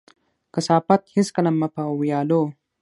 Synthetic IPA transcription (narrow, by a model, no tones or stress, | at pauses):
kɐsaːpɐt̪hiskɐlɐmːɐpɐwjɑːloː